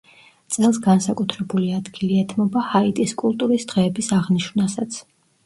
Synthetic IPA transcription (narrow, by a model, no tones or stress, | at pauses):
t̪sʼɛlˠsɡansakʼut̪ʰɾɛbuliad̪ɡiliɛt̪ʰmɔbahait̪ʼiskʼulˠt̪ʼuɾisd̪̥ʁɛːbisaʁniʃvnasat̪sʰ